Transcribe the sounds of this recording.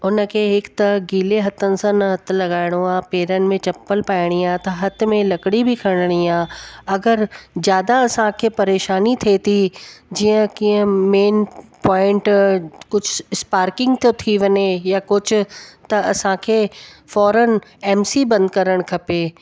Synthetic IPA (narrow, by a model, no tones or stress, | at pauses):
ʊnəkʰeːɦɪkt̪ɐɡiːleɦɐt̪ənɪ̆sãnɐɦɐt̪̆lɐɡaːɪɽ̃oaːpeːɾənɪ̆mẽt͡ɕɐpːəlpaːɪɽ̃iaːt̪ɐɦɐt̪̆mẽlɐkɽibɪkʰɐɽ̃əɽ̃iaːɐɡəɾzjaːd̪aɐsãkʰeːpɐɾeːʃaːnit̪ʰet̪ʰid͡ʑiːə̃kĩːə̃meːnpɔːɪ̃ɳʈkʊd͡ʑʱʊɪspaːɾkɪ̃ŋɡt̪jot̪ʰiʋɐɲejakʊd͡ʑʱʊ̆t̪ɐɐsãkʰeːfɔːɾənɛːmsibɐ̃nd̪̚kɐɾəɽ̃kʰɐpeː